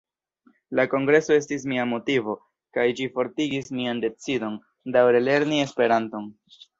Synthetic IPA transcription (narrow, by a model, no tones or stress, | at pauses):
lako̞ŋɡɾe̞so̞e̞stis̬miamo̞tivo̞ | kajd͡ʒifo̞ɾtiɡismiande̞t͡sido̞n | dawɾe̞le̞ɾnie̞spe̞ɾanto̞n